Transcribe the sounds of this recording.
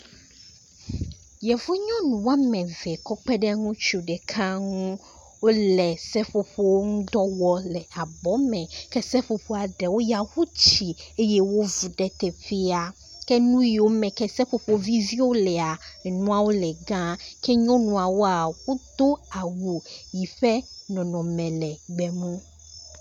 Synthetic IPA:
jɛ˨vo˦ɲɔ̃˦nũ˨wa˦mɛ̃˨vɛ˨kɔ˦k͡pɛ˦ɖɛ˦ŋũ˦t͡ʃu˨ɖɛ˨kʰã˦ŋũ˦ | wo˦lɛ˨sɛ˦ɸo˦ɸo˦wo˦ŋũ˦d̪ɔ˦wɔ˦lɛ˨a˨bɔ˨˦mɛ̃˨kɛ˦sɛ˦ɸo˨ɸo˨a˨ɖɛ˨wo˦ja˨hu˦t͡ɕi˨e˦jɛ˦wo˦vu˨ɖɛ˨t̪ɛ˨ɸe˦a˨ | kɛ˦nũ˦ji˨wo˦mɛ̃˨kɛ˦sɛ˦ɸo˨ɸo˦vi˦vi˦wo˦lɛ˨a˨nũ˦a˨wo˦lɛ˨ɡã˦kʰɛ˦ɲɔ̃˦nũ˨a˨wo˦a˨wo˦t̪o˦a˨wu˨ji˨ɸɛ˦nɔ̃˨nɔ̃˨mɛ̃˨lɛ˨ɡ͡bɛ˨mũ˦

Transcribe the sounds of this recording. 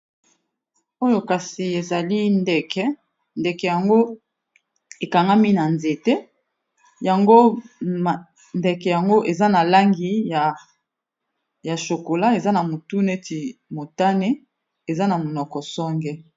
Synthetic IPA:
o˦jo˦ka˨si˨e˨za˨li˦ndɛ˨kʰɛ˦ | ndɛ˨kɛ˨ja˨ŋɡo˦ | e˨ka˨ŋɡa˦mi˦na˨nze˨te˦ | ja˨ŋɡo˦˨ | ndɛ˨kɛ˨ja˨ŋɡo˦ʔe˨za˦na˨la˦ŋɡi˦ja˨ | ja˨ʃo˨ko˨la˦e˨za˦na˨mo˨tu˦ne˦ti˨mo˨ta˦ne˦ | e˨za˦na˨mo˨nɔ˨kɔ˨sɔ˦ŋɡɛ˦

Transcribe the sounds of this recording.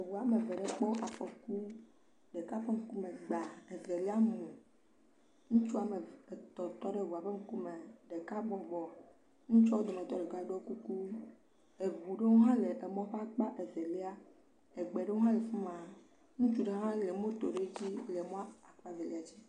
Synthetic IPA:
e˨wu˨a˨me˨ve˨ɖe˦k͡pɔ˦ʔa˨ɸɔ˨ku˦ | ɖe˨ka˦ɸe˦ŋ̩˦ku˦me˨ɡ͡ba˨e˨ze˨li˦a˦m̃ũ˨ | ŋũ˦t͡ʃu˦a˨me˨e˨t̪ɔ˨t̪ɔ˦ɖe˦˨wu˨a˨ɸe˦ŋ̩˦ku˦me˨ɖe˨ka˦bɔ˨ɡ͡bɔ˨ | ŋũ˦t͡ʃɔ˦wo˦d̪o˨me˨t̪ɔ˦ɖe˨ɡa˦ɖo˦ku˦ku˦ | e˨vu˨ɖe˦wo˦ɦã˦le˨ʔe˨mɔ̃˦ɸe˦k͡pa˦ʔe˨ze˨li˦a˦ | e˨ɡ͡be˨ɖe˦o˦ɦã˦le˨fu˦mã˨ | ŋũ˦t͡ʃu˦ɖe˦ɦã˦le˨mõ˦t̪o˨ɖe˦d͡ʑi˦le˨mɔ̃˦a˦a˨k͡pa˦ze˨lḭ˦a˨t͡ɕi˦

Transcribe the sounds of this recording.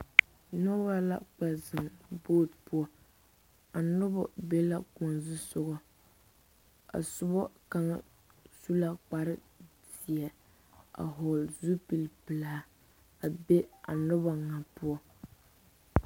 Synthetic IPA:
nɔ˦ba˦la̰˦k͡pɛ˨zɨ˨mboː˦˨tpʊ˦ɔ˨ | a˨nʊ˦bɔ̰˨be˦la˦kɔ˨nzu˦sʊ˦ɣɔ˦ | a̰˨sʊ˦bɔ˦ka˦ŋa̰˦ | su˦la˦k͡pa˨ɾɪ˦ | dɪ˨ɛ˨ | a̰˨ɦɔ˨lzu˦pi˨lpɨ˨laː˨˦ | a˨be˦a̰˨nʊ˦ba˨ŋa˨pʊ˦ɔ˦

